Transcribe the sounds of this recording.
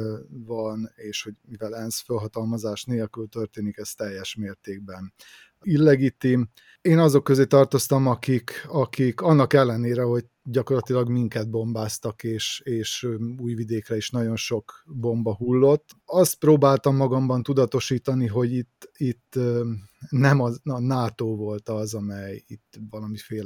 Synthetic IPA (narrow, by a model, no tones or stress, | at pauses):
vɒneːʃho̞ɟmivɛlɛnsfølɦɒt̪ɒlmɒzaːʃneːlkylt̪ø̞rt̪eːnikɛst̪ɛjːɛʃmeːrt̪eːɡ̚bɛn | ilːɛɡit̪im | eːnɒzo̞kːøzeːt̪ɒrt̪o̞st̪ɒmɒkikɒkikɒnːɒkɛlːɛneːɾɛɦo̞ɟ̚ | ɟɒko̞rlɒt̪ilɒɡmiŋkɛd̪̚bo̞mbaːst̪ɒkeːʃeːʃuːjvid̪eːkrɛiʃnɒɟo̞nʃo̞kbo̞mbɒɦulːo̞t̪ːɒst̪̚proːbaːlt̪ɒmːɒɡɒmbɒnt̪ud̪ɒt̪o̞ʃiːt̪ɒniɦo̞ɟit̪ːit̪ː | nɛmɒnaːt̪oːvo̞lt̪ɒzɒmɛjit̪ːʋɒlɒmifeːl